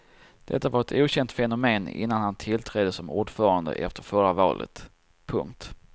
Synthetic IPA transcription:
d̪̥ɛ̰t̪ːavaɾɛt̪ʰuːɕɛnt̪fɛnʊmeːnɪ̰nːanhant̪ʰɪlt̪ʰɾɛd̪əsɔmuːɖfœːɾand̪ə̰ʔɛ̰ft̪əɾfœɾavɑ̰ːlʔə̰t̪ | pʰɵ̰ŋk̚t̪

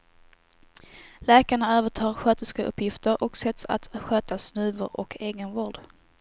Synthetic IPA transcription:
lɛːkaɳaøːvəʈʰɑːɾɧøːt̪əskaʔɵ̰pːjɪft̪əɾʔɔksɛt̪sa̰t̪ɧøːt̪asnʉ̟ːvəɾɔ̰kʰeːɡənvɔlɖ̪

